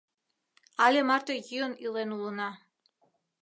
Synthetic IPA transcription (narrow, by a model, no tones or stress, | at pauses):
alʲemart̪ojionilˠenulˠənɑ